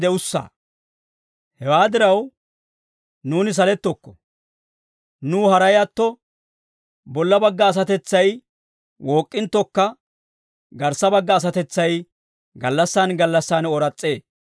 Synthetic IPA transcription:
d̪ɛʊsːa̰ː | hɛwaːd̪ɪɾɐw | nuːnɪs̬ɐlɛt̪ːɔkːɔ̥ | nuːhɐɾɐjɐt̪ːɔ | bɔlːɐbɐɡːɐːs̬ɐt̪ɛt͡sːɐj | wʔo̞ːkʼːɪnt̪ːɔkːɐ | ɡɐɾsɐbɐɡːɐːs̬ɐt̪ɛt͡sːɐj | ɡɐlːɐsːaːnɡɐlːɐsːaːnɔɾɐt͡sʼːe̞ː

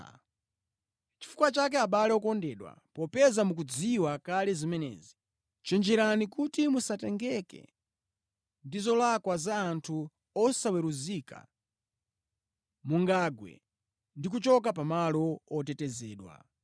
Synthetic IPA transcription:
t͡ʃi̥fu̥kwat͡ʃak̬ɛaɓalɛɔkɔndɛɗwa̰pɔpɛzamuk̬ud͡ziwakalɛzimɛnɛ̰zi | t͡ʃɛnd͡ʒɛɾanikutimusatɛŋɡɛkɛ̰ | ndizɔlakwazaːntʰu | ɔsawɛɾuzika̰ | muŋɡaɡwɛ̰ | ndik̬ut͡ʃɔk̬ap̬amalɔɔtɛtɛzɛːɗwa̰

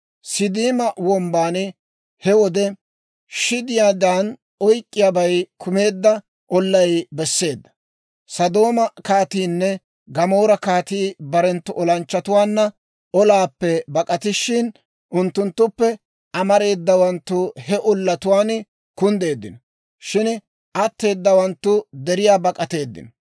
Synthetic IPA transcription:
sɪd̪iːmɐwɔmbaːn | hɛwɔd̪ɛ | ʃɪd̪ɪjaːd̪aːn | ɔjkʼːɪjaːbɐjkʰʊme̞ːd̪ːɐ | ʔɔlːɐjbɛsːe̞ːd̪ːɐ̥ | sɐd̪o̞ːmɐkaːt̪iːnːɛ | ɡɐmo̞ːɾɐkaːt̪iːbɐɾɛnt̪ːʊʔɔlɐnt͡ʃːɐt̪ʊwaːnːɐ | ɔlaːpːɛbɐkʼɐt̪ɪʃɪn | ʔʊnt̪ːʊnt̪ːʊpːɛ | ʔɐmɐɾe̞ːd̪ːɐwɐnt̪ːʊhɛʔɔlːɐt̪ʊwaːn | kʊnd̪e̞ːd̪ːɪnɔ | ʃɪn | ʔɐt̪ːe̞ːd̪ːɐwɐnt̪ːʊd̪ɛɾɪjaːbɐkʼːɐt̪e̞ːd̪ːɪ̰nɔ

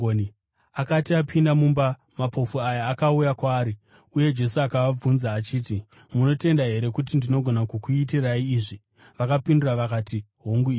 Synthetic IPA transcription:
oni | akatiapʰindamumba | mapʰo̞fuajaːkaujakwaːɾi | uje̞d͡ʒe̞suakaʋab͡vunzaːt͡ʃiːti | muno̞te̞ndaɦe̞ɾe̞kut̬indino̞ɡʱo̞nakukuitiraiːʐi | ʋakapinduraʋakaːti | ɦoŋɡui

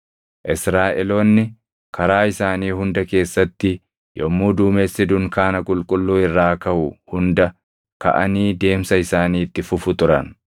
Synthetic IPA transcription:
ʔɪsɾaːʔɛloːnːɪ | kʰɐɾaːɪsaːniːhʊnd̪ɐke̞ːsːɐt̪ːɪ | jʔɔmːuːd̪uːmeːsɪd̪ʊŋkaːnɐkʼʊlkʼʊlːuːɪrːaːkɐhʊhʊnd̪ɐ | kɐ̰ʔɐ̰niːd̪e̞ːmsɐɪsaːniːt̪ːɪfʊfʊt̪ʊɾɐ̰n

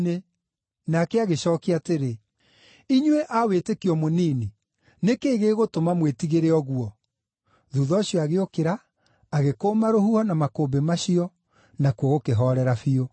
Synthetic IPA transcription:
ne | nakɛaɣeɕɔːkeateɾe | iɲweʔawetekiɔmoniːni | nekeːɣeːɣotomamwetiɣeɾeɔɣuɔ | ðuːðɔːɕjɔaɣeokeɾaː | ɣekoːmaɾohuhɔnamakobemaɕiɔ | nakuɔɣokeɦɔɾɛɾafio

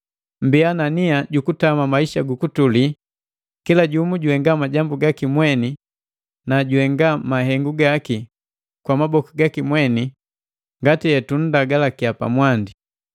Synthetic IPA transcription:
mbiananiaɟukutamamaiʃaɡukutuli | kilaɟumuɟuɛŋɡamaɟambuɡakimwɛni | naɟuɛŋɡamaɦɛŋɡuɡaki | kwamabɔkiɡakimwɛni | ŋɡatijɛtun̩daɡalakiapa̰mwandi

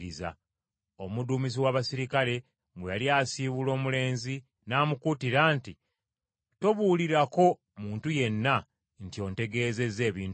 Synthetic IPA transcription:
ɾiza̰ | o̞muduːmis̬iwaːβasiɾikale̞ | mwejaliaːsiβulo̞ːmule̞ːnzi | naːmukutiɾaːnti | to̞βuːliɾako̞ | muːntuje̞nːa | ntio̞ːnte̞ɡe̞ːze̞ze̞ːβiːn

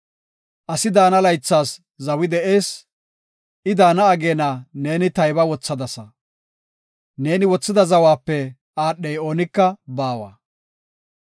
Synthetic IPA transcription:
ʔɐsɪd̪aːnɐlɐjt͡sːaːs | zɐwɪd̪ɛʔe̞ːs | ɪd̪aːnɐːɡeːnɐne̞ːnɪt̪ɐjbɐwɔt͡sːɐd̪ɐsɐ | ne̞ːnɪwɔt͡sːɪd̪ɐzɐwaːpːɛ | aːɗːɛjo̞ːnɪkːɐbaːwa̰ː

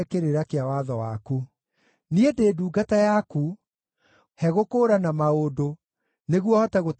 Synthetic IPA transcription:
keɾeɾakeawaðɔwaku | niedeːduːɡatajaku | hɛɣokoːɾanamaodo | neɣwɔhɔtaɣot

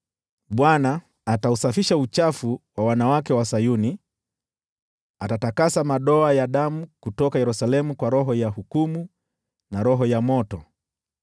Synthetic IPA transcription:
ɓwanaː | tausafiʃaut͡ʃafuwawanawakɛwasajuni | atatakasamaɗɔajaɗamukutɔkajɛɾusalɛmukwaɾɔɦɔjahukumu | naɾɔɦɔjamɔtɔ

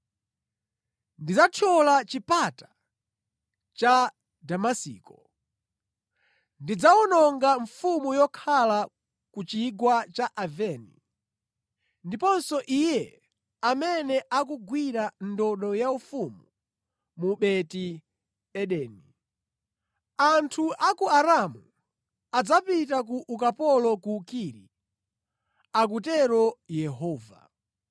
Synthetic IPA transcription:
ndid͡zatʰɔlat͡ʃipatḁ | t͡ʃa | damasḭːkɔ | ndid͡zaunɔŋɡaɱfumujɔkʰala | kut͡ʃiɡwat͡ʃaʔavɛnḭ | ndipɔnsɔʔijɛ | amɛnɛʔakuɡwiɾandɔɗɔjaufumu | muɓɛti | ɓɛɗɛːni | antʰuʔakuaɾamu | ad͡zapitakuʔukapɔlɔkukiːɾḭ | ak̬utɛɾɔjɛɦɔːva̰

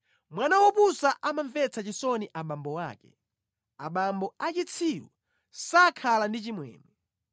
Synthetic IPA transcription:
mwanawɔpusaʔamaɱvɛt͡sʰat͡ʃisɔniʔaɓambɔwa̰ːkɛ̰ | aɓambɔat͡ʃit͡sʰiɾwɔ̰ | sakʰalandit͡ʃimwɛ̰ːnɛ

